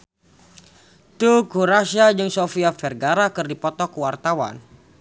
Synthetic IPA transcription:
t̪ukuɾasiad͡ʒəŋsofiafɛrɡaɾakərdipɔt̪ɔkuwart̪awa̰n

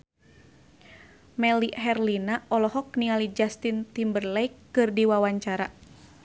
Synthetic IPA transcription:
mɛliɦɛrlinaɔlɔɦɔk̚nialid͡ʒast̪int̪imbərlɛikːɨrdiwawaɲt͡ʃaɾa

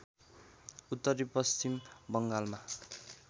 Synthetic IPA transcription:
ut̪ːʌɾipʌst͡ɕimbʌŋɡalma

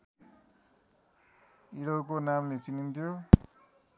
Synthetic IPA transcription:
iɽowkonamlet͡sinint̪ʰjo

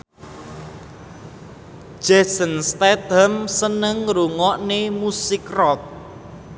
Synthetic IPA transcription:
ʒ̥ɛsənst̪ɛt̪əmsənəŋɾuŋɔʔnemusɪkrɔk̚

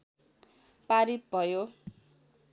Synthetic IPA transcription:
paɾit̪̚bʱʌjo

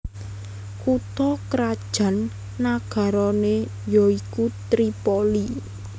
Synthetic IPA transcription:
kut̪ɔkɾad̥ʒ̥a̤nː | aɡ̥ä̤ɾɔne | jɔikut̪ɾipoli

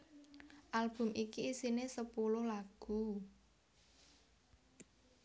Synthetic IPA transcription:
ʔalb̥ʊ̤mikiisinesəpulʊhlaɡ̥ṳ

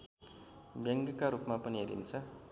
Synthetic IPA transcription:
bjʌŋɡkaɾupmapʌniɦeɾḭnt͡sʰʌ

